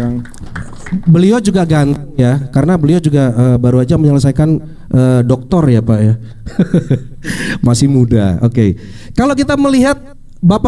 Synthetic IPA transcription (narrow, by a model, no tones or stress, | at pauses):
bəliod͡ʒuɡaɡant̪ijakaɾənabəliod͡ʒuɡaəːbaɾuad͡ʒaməɲələsajkan | ʔəːdɔk̚t̪ɔrjapaja | masɪhmuda̰okḛ | kalok̬it̪aməliɦat̪̚ | bapa